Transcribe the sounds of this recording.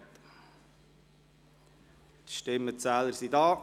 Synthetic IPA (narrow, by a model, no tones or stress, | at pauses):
t̪ | t̪ʃtɪmːət͡sæːləɾsidɑː